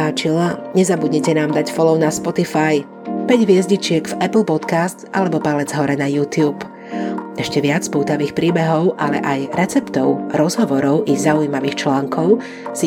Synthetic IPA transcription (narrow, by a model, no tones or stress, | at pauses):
aːt͡ʃilaɲɛzabudɲɛcɛnaːmd̪acfɔlɔʊnaspɔt̪ifaj | pɛɟʋɪɛzɟit͡ʃɪɛɡvɛpl̩pɔt̪kast̪ʔalɛbɔpalɛd͡zɦɔɾɛnajuːt̪ɪjuːp | ɛʃcɛʋɪat͡spuːt̪aʋiːxpɾiːbɛɦɔʊʔalɛ̰ʔajɾɛt͡sɛpt̪ɔʊɾɔzɦɔʋɔɾɔʊʔiɣzaujimaʋiːxt͡ʃlaːŋkʰɔʊ | si